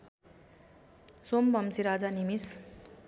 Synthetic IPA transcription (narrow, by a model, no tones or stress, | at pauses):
sombʌmsiɾad͡zanimis